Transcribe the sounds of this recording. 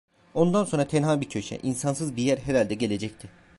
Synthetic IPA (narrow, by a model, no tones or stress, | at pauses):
o̞nd̪anso̞nɾat̪ʰɛnɦaːbicʰø̞ʃɛ̰ʔinsansɯzbijæɾɦeɾalʲd̪ɛɟe̞lʲe̞d͡ʒɛc̚t̪ʰɪ